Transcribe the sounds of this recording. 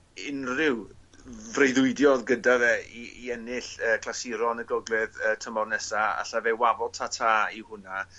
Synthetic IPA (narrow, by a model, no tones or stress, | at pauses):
ɪnrɪw | vrejðʊɨdjɔðɡədaðɛiiɛnɪɬəːkʰlˠasɪɾɔnəɡɔɡlˠɪðəːtʰəmɔdnɛsaa̰ɬavɛwavɔtʰatʰaːihʊna